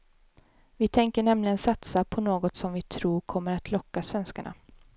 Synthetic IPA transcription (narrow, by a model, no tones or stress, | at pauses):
vɪt̪ʰɛŋkəɳɛmlɪɡənsat̪sapʰɔnoːɡɔt̪sɔmvɪt̪ʰɾuːɾkʰɔmːəɾat̪ʰlɔkːasvɛnskaɳa̰